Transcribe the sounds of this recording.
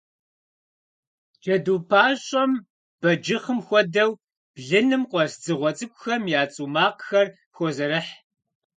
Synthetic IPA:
d͡ʒɐduːpʰaːɕʼɐm | b̥ɐd͡ʒɨχəmxʷɔdɐw | b̥ɮɨnɨmqʷɔsd͡zɨʁʷɔt͡sʼɨkʷʼʊxɐmjaːt͡sʼuːmaːqxɐr | xʷɔzɐɾɨħ

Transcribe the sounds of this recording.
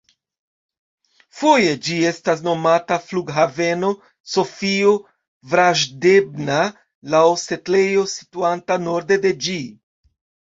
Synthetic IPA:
foje̞d͡ʒie̞stas̬no̞matafluɡɦave̞no̞ | so̞fio | vɾaʒde̞bna | lawse̞tle̞jo̞si̥tuantano̞ɾde̞de̞d͡ʒi

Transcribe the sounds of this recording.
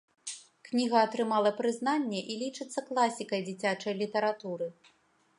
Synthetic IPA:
knʲiɣɐːt̪ɾɨmalˠɐpɾɨzn̪anʲːɛʔilʲit͡ʂɨt̪sːɐklˠasʲikɐjd͡zʲit͡sʲat͡ʂɐjlʲit̪ɐɾat̪uɾɨ

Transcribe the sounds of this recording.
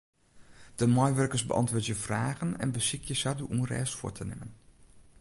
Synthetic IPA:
d̥əmɔjʋørkəɹsbə̰ʔɑ̰ntʋʊːɹtjəfraːɣənɛ̰nbəsɪkʰjəsaduʔunrɛ̰ːsfʊ̰ːtʰənɪ̰mən

